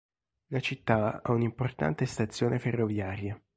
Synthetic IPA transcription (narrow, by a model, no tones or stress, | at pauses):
lat͡ʃit̪ːaɛ̰unimport̪a̰nt̪est̪at̪sːjoːneferːovjaːɾja